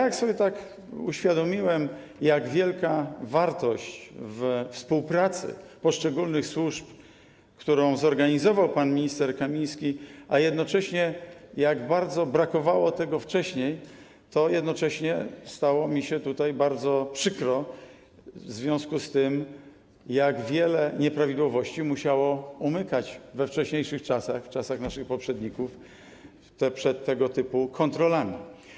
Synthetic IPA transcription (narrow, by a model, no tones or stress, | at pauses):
jajaksɔbʲjɛt̪ak | uɕfʲjad̪ɔmʲiwɛm | jaɡvʲjɛlkavaɾt̪ɔɕt͡ɕvfspuwpɾat̪sɘ̰pɔʂt͡ʂɛɡulnɘxswuʂp | kt̪uɾɔ̃w̃zɔɾɡaɲizɔvawpanmʲiɲist̪ɛɾkamʲĩj̃skʲiʔajɛd̪nɔt͡ʂɛɕɲɛjaɡbaɾd̪zɔbɾakɔvawɔt̪ɛɡɔft͡ʂɛɕɲej | t̪ɔjɛd̪nɔt͡ʂɛɕɲɛst̪awɔmʲiɕɛt̪ut̪ajbaɾd̪zɔpʂɘkɾɔ | vzvʲjɔ̃w̃skust̪ɘm | jaɡvʲjɛlɛɲɛpɾavʲid̪wɔvɔɕt͡ɕimuɕawɔumɘkat͡ɕvɛft͡ʂɛɕɲejʂɘxt͡ʂasaxft͡ʂasaxnaʂɘxpɔpʂɛd̪ɲikuf | t̪ɛpʂɛt̪ːɛɡɔt̪ɘpukʰɔnt̪ɾɔlamʲi